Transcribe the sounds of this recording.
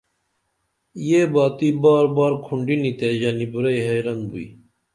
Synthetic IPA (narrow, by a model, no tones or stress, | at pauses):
jeːbaːt̪iːbaːɾbaːɾkʰuɳɖinit̪eʑɐnibuɾɐjɦɐjɾɐnbṵḭ